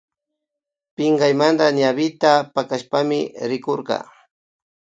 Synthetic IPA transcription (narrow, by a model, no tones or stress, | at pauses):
pɪɴɢɑjmand̪aɲaβɪt̪apakaʃpamɪɾɪkoɾɢɑ̰